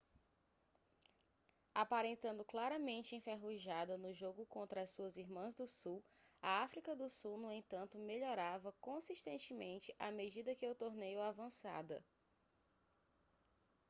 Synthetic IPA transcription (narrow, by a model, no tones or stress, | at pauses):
apaɾẽnt̪ɐ̃nd̪ʊklaɾɐmẽnt͡ʃɪẽfeɦuʒad̪ɐnʊʒoɡʊkõnt̪ɾɐːssuɐziɾmɐ̃zd̪ʊsuwɐafɾikɐd̪ʊsuwnũẽnt̪ɐ̃nt̪ʊmeʎɔɾavɐkõsiʃt̪ẽnt͡ʃɪmẽnt͡ʃɪʔamed͡ʒid̪ɐkɪewt̪oɾnejʊavɐ̃sa̰d̪ɐ̰